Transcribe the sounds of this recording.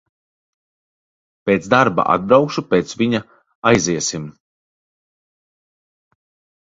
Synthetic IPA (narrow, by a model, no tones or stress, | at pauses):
peːt̪zd̪aɾba̰ʔa̰d̪̚bɾawkʃupeːt̪sviɲa | ajziɛsim